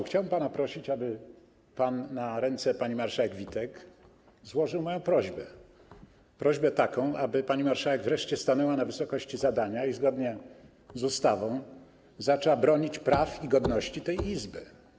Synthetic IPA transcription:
xt͡ɕawbɛmpanapɾɔɕit͡ɕabɘ | panːaɾɛnt̪sɛpaɲimaɾʂawɛɡvʲit̪ɛk | zwɔʐɘwmɔjɔ̃w̃pɾɔʑbɛ | pɾɔʑbɛt̪akɔ̃w̃ʔabɘpaɲimaɾʂawɛɡvɾɛʂt͡ɕɛst̪anɛwanavɘsɔkɔɕt͡ɕizad̪aɲaizɡɔd̪ɲɛ | zust̪avɔ̃w̃ | zat͡ʂɛwabɾɔɲit͡ɕpɾafiɡɔd̪nɔɕt͡ɕit̪ɛjizbɘ

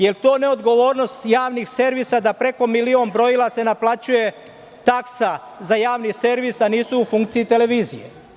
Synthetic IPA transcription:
je̞lt̪o̞ːne̞o̞d̪ɡo̞ʋo̞ːɾno̞st̪jaːʋnixse̞ɾʋisad̪apɾe̞ko̞milio̞nbɾo̞ilˠase̞naplˠat͡ɕuje̞ | t̪aksa | zajaːʋnise̞ɾʋisaniːsuːfuŋkt̪siit̪e̞le̞ʋiːzḭjḛ

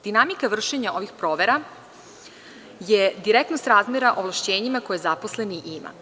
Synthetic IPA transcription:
d̪̥inamikaʋr̩ʃeɲaoʋixpɾo̞ːʋe̞ɾa | jed̪iɾek̚t̪nost̪ɾaːzmeɾaʔoʋlˠaʃt͡ɕe̞ːɲimakojezaposle̞niʔima̰

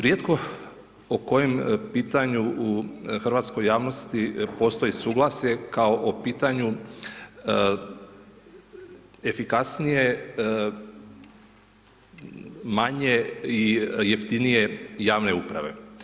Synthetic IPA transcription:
ɾjed̪ko̞ | oko̞jempiːt̪aɲuuxr̩ʋaːt̪sko̞jːaːʋno̞st̪ipo̞ːst̪o̞jesuːɡlˠasjekaoʔopiːt̪aɲu | efikasnije | maɲe̞ijeft̪inije̞jaːʋne̞upɾa̰ʋe̞̰

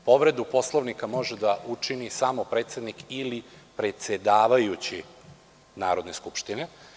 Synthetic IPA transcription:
po̞ʋɾe̞d̪upo̞slˠoʋnikamo̞ʒed̪aʔut͡ʂinisamo̞pɾet̪sje̞d̪nikilipɾe̞t̪se̞d̪aːʋajut͡ɕi | na̰ːɾo̞d̪ne̞skupʃt̪ine̞

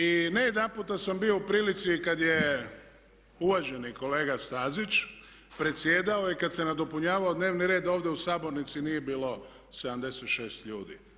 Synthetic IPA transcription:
inejed̪anpuːt̪asambijo̞upɾiːlit̪sikad̪je | uʋaʒe̞niko̞le̞ːɡast̪aːzit͡ʃ | pɾet̪sje̞ːd̪aoikad̪senad̪o̞puɲaːʋaod̪neːʋniɾeːd̪oːʋd̪jeusaːbo̞ɾnit̪sinije̞biːlo̞ | sed̪amd̪e̞set̪ʃe̞ːst̪ʎuːd̪ḭ

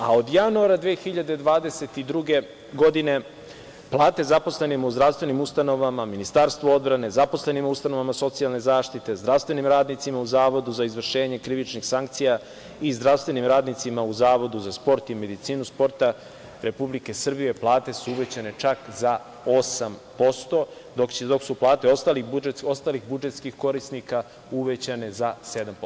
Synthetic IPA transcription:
ao̞d̪januaɾad̪veːxiʎad̪ed̪ʋaːd̪e̞se̞t̪id̪ɾuɡe̞ | ɡo̞d̪ine̞ | plˠaːt̪e̞zapo̞sle̞nimuzd̪ɾafst̪vʋe̞nimust̪ano̞ʋamaminist̪aɾst̪ʋoo̞d̪bɾane̞zapo̞sle̞nimust̪ano̞ʋamaso̞t̪sialˠne̞zaːʃt̪it̪e̞zd̪ɾast̪ʋe̞nimɾaːd̪nit̪simauzaːʋo̞d̪uzaizʋr̩ʃe̞ːɲe̞kɾiʋit͡ʃnixsaŋkt̪sija | izd̪ɾafst̪ʋe̞nimɾaːd̪nit̪simauzaːʋo̞d̪uzaspo̞ɾt̪ime̞d̪it̪siːnuspo̞ɾt̪a | ɾe̞publike̞srbije̞plˠaːt̪e̞suuʋe̞t͡ɕane̞t͡ʃakza | o̞sampo̞st̪o̞ | d̪okd̪o̞ksuplˠaːt̪eo̞st̪alibueo̞st̪alixbud͡ʒe̞t̪skixko̞ɾisnika | uʋe̞t͡ɕane̞zase̞d̪ampo

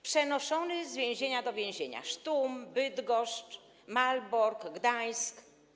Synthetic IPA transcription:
pʂɛnɔʂɔnɘzvʲjɛ̃w̃ʑeɲad̪ɔvʲjɛ̃ʑeɲa̰ʂt̪umbɘd̪ɡɔʂt͡ʂ | malbɔɾkɡd̪ajsk

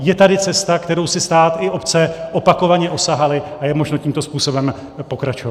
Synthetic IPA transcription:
jɛt̪adɪt͡sɛst̪akt̪ɛɾo̞wsɪst̪aːt̪ɪʔo̞pt͡sɛʔo̞pako̞vaɲɛʔo̞saɦalɪajɛmo̞ʒno̞ciːmt̪o̞spuːso̞bɛm | po̞kɾat͡ʃova

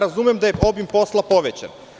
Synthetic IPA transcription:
ɾazumjemd̪ajeo̞bimpo̞slˠapo̞ʋet͡ɕa̰n

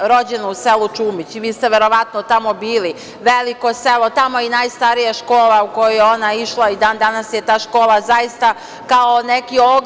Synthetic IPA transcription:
ɾo̞d͡ʑenouselut͡ʃuːmit͡ɕiʋiːst̪eʋe̞ɾo̞ʋat̪not̪amo̞biːli | ʋeliko̞selˠo̞t̪amoinajst̪aɾijaʃkoːlˠauko̞jojeo̞naiʃlˠaid̪aːnd̪anasjet̪aːʃko̞ːlˠazajist̪a | kaonekio

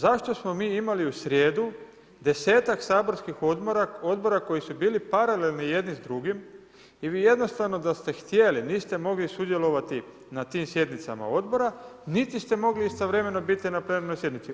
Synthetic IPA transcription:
zaʃt̪o̞smo̞miːimaliusɾje̞ːd̪u | d̪e̞se̞ːt̪aksaːbo̞ɾskixo̞d̪moɾao̞d̪bo̞ɾako̞jisubiːlipaɾale̞lnije̞d̪nizd̪ɾuɡim | iʋiːje̞d̪no̞st̪aʋno̞d̪ast̪e̞xt̪je̞liniːst̪e̞mo̞ɡlisud̪je̞lo̞ʋat̪i | nat̪iːmsje̞d̪nit̪sa̰ma̰o̞d̪bo̞ɾanit̪ist̪e̞mo̞ɡliist̪oʋɾe̞me̞nobit̪inapɾenoɾno̞jsʲje̞d̪nit̪i

